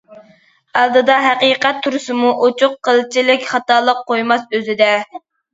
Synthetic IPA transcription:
ælˠd̪ɨd̪ɑɦɛqiːqɛt̪ʰːuɾɨsɨmuʔot͡ʃʰʊqqːəlˠt͡ʃʰilɪkʲχɑt̪ɑlˠəqqʰːojmɑsøzɪd̪ɛ

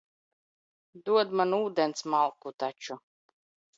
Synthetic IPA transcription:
d̪uɔd̪manuːd̪ɛnsmalˠkut̪at͡ʃu

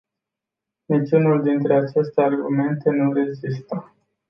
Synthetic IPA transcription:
nit͡ʃunuld̪int̪ɾe̞at͡ʃe̞st̪earɡume̞nt̪e̞nuɾe̞zist̪ə

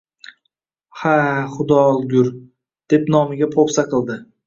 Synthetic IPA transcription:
haχʊd̪ɒlˠɡʲʊɾ | d̪̥e̞pnɒmɪɡʲapʰopsaqɨlˠd̪ɪ

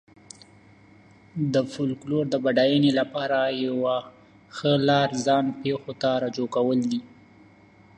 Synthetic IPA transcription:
d̪əfʊlkloɾd̪əbaɖajənelapɑɾajawa | xəlɑɾzɑnpexot̪aɾad͡ʒokawəld̪i

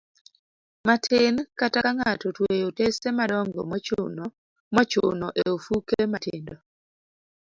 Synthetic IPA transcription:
matʰɪnkatakaŋatɔtwejotesemadɔŋɡɔ̰mɔn | mɔt͡ʃʊ̰nɔʔeofukematɪ̰ndɔ

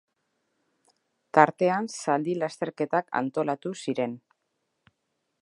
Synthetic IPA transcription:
t̪aɾt̪e̞ansald̪ilast̪e̞ɾke̞t̪aka̰nt̪o̞lat̪usiɾe̞n

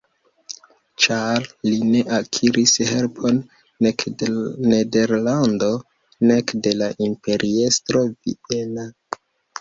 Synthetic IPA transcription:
t͡ʃalline̞ʔakʰiɾʔishe̞lpʰo̞nː | ekne̞de̞ɾlando̞ | ne̞kde̞laʔimpe̞ɾʔie̞stɾo̞vḭe̞na

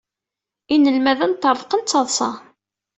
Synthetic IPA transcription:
inəlmæðænt̪ːəɾˤqənt͡sːɑðˤsɑ̰

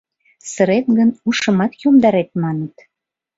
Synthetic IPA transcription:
səɾet̪ɡənuʃə̆mɑt̪jomd̪ɑɾet̪̚mɑnət̪

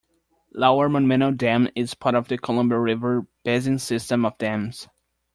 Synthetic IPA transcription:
laʊə˞mə̃nmɛ̃ñoʊdæ̃mɪz̥pʰɑɹɾʌvðɨkʰəlʌ̃mbəɹɪvə˞b̥ɛzɪ̃nsɪstə̃mʌvdæ̃mz̥

